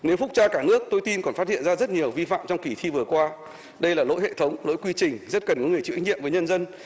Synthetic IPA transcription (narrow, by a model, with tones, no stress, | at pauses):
ne˨˦wfʊ˦˥k͡p̚t͡ɕaː˧kaː˧˩nɨ˦˥ək̚t̪o˧jt̪i˧nkɔ˨˩nfa˦˥t̚hḭ˧˨ənzaː˧zə˦˥t̚ɲi˨˩əwvi˧fa̰ː˧˨mt͡ɕɔ˧wŋ͡mki˧˩t̪ʰi˧vɨ˨˩əkwaː˧ | ɗə˧jlaː˨˩lo̰˧˥jɦḛ˧˨t̪ʰə˨˦wŋ͡mlo̰˧˥˦jkwi˧t͡ɕï˨˩ŋ̟zə˦˥t̚kə˨˩nkɔ˨˦ŋɨ˨˩əjt͡ɕɨ̰˧˥˦ɲḭ˧˨əmvə˨˦jɲə˧nzə˧n